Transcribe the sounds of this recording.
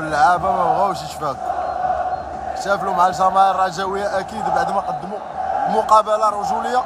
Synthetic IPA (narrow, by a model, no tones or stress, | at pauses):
əlːʕabæmæɣæwʃəʃfæd | kt̪æflumʕalʒɑɾˤmɑʕrˤːɑʒæwəjːaʔækid̪baʕd̪mæqɑd̪ːmu | mʊqɑbəlaɾˤuʒuləjːa